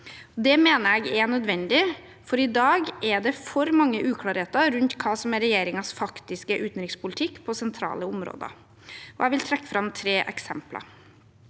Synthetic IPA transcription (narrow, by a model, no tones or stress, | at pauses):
ɔd̪ɛmeːnəɾɛɡɛnœd̪ʋɛnd̪ɪ | fɔɾɪd̪ɑːɡʔɛɖɛfɔɾmɑŋːəʔʉːkʰlɑːɾheːt̪əɾʉnt̪kʰɑːsɔmɛɾːɛjeːɾɪŋɑsfɑkt̪ɪskəʔʉːt̪nɾɪŋspʰʊlɪt̪ʰɪkːpʰɔsɛnt̪ʰɾɑ̰ːləʊmɾo̰ːd̪ə̰ | ɔɛɪʋɪlt̪ʰɾɛkːə̥fɾɑmt̪ʰɾeːʔɛksɛ̰mplɑ̰